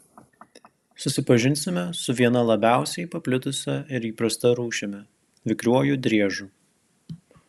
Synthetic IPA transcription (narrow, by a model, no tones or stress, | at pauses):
sʊsʲɪpɐʒʲɪnʲsʲɪmʲɛsʊʋʲiɛnɐlˠɐbʲæˑʊsʲɛɪpɐpʲlʲɪt̪ʊsʲɛɪɾiːpɾɐst̪ɐɾuːʃʲɛmʲɛ | ʋʲɪkɾʲuɔjud̪ʲɾʲiɛʒuː